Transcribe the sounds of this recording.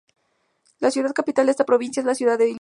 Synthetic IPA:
lasjuðað̚kapit̪ald̪eest̪apɾo̞βinsjaezlasjuðaðːei

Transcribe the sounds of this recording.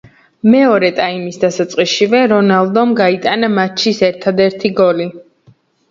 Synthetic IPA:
mɛɔɾɛt̪ʼaimisd̪asat̪sʼqʼiʃivɛɾɔnalˠd̪ɔmɡait̪ʼanamat͡ʃʰisɛɾt̪ʰad̪ɛɾt̪ʰiɡɔli

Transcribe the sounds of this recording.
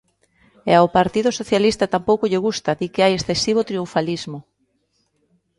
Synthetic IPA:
eaʊpaɾt̪iðʊsoθjalist̪at̪ampowkʊʎɪɣ̞ust̪aðikɪajesθesiβ̞ot̪ɾiuɱfalizmʊ

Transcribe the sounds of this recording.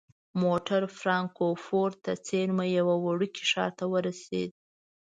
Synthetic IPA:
moʈaɾfɾɑŋkofoɾt̪at͡seɾmajawawaɽuki̥ʂɑ̰ɾt̪awəɾasḛd̪̚

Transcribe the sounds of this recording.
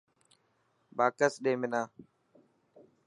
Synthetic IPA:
baːkəsɗẽːmɪnãː

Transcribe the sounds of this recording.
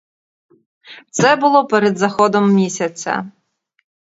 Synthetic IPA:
t̪sɛbʊlˠɔpɛɾɛd̪zɐxɔd̪ɔmːʲisʲɐt͡sʲɐ̰

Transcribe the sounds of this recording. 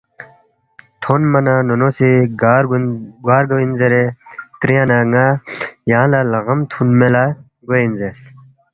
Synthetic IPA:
t̪ʰonmɐnanonosiɡɾɡaːɾɡɐwinzeɾet̪ɾijanaŋajaːlalɐɣɐmt̪ʰunmela | ɡoinzes

